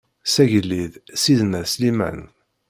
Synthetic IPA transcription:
sæʝəlːiðsiðnəɾslimæ̰n

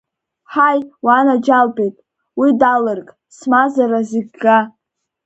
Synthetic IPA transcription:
ħajwanad͡ʒalbʼejtʼ | widalɨrkʼ | smazaɾazeɡɡa

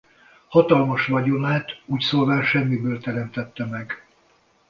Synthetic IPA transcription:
hɒt̪ɒlmɒʃʋɒɟomaːt̪uːcsoːlvaːlʃɛmːibøːlt̪ɛɾɛmt̪ɛt̪ːɛmɛɡ

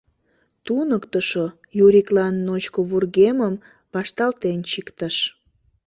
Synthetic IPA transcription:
t̪unəkt̪əʃo | juɾʲiklɑnːot͡ɕkoβurɣeməm | pɑʃt̪ɑlt̪ent͡ɕikt̪əʃ

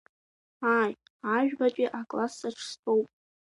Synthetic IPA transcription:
aj | aʒᶣbakʼiʔakʼlasaʈ͡ʂʰstʰʼowpʼ

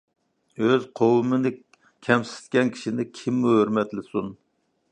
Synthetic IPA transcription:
øzqʰowɨmɨnɪ | kʲʰɛmsɪ̥st̪kʲɛnkʲʰi̥ʃinɪkʲʰimːuhøɾmɛt̪lɪsun

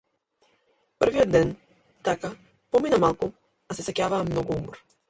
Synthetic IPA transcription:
pərɾvijɔd̪ːɛn | t̪aka | pɔminamalˠku | asɛsɛkʲavaːmnɔɡuumɔɾ

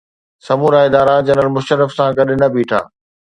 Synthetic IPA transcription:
sɐmuːɾaɪd̪aːɾad͡ʑɐnəlmʊʃəɾəfsãɡɐɗɪ̆nɐbʱiːʈʰa̰ː

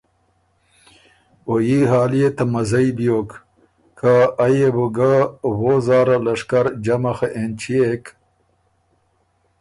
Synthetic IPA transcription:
ojiɦaːlijet̪ɐmɐzɐibijoːk | kʰaːjebuɡawozaːɾɐlɐʂkɐɾd͡ʑɐmɐxeʔent͡ɕʰiek

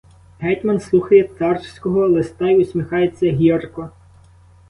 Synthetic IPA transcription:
ɦɛtʲmɐnslˠuxɐjɛt̪ɑrt͡ʃsʲkɔɦɔlˠest̪ɑiʊsʲmʲixɑjet͡sʲːɐɦʲirkɔ

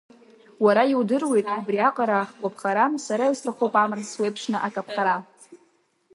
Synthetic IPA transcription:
waɾaiwdɨrwe̞jtʼabriaqʼaɾaχkʷʼapʰχaɾansaɾaistʰaχowpʼamɨrswe̞jpʰʂnɨʔakʼapʰχaɾa

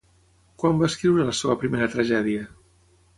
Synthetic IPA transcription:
kwambaːskɾiwɾələseβəpɾimeɾət̪ɾəʒɛðiə

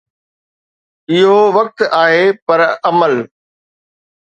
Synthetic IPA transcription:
ɪɦoʋɐk̚t̪aːɦepɐɾɐməl

